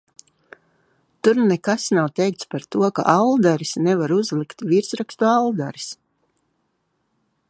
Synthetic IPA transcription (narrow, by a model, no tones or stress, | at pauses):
t̪uɾnekasnawt̪ɛjk̚t̪spaɾt̪uɔka̰ʔalˠd̪aɾisnɛvaɾuzlˠikt̪viɾsɾakst̪ualˠd̪aɾi̥s